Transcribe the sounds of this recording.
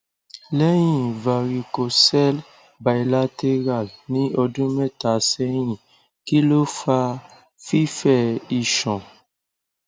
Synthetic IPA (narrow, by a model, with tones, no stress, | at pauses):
lɛ˦j̃ĩ˦˨va˨ɾi˨˧ko˨sɛ˦l | ba˨i˨la˦te˦ɾa˦˨lnĩ˨˦ɔ˧dũ˦mɛ̃˦˨ta˨sɛ˦j̃ĩ˦˨ | ki˦lo˦fa˧ | fi˦fɛ˦˨i˦˨ʃɔ̃˨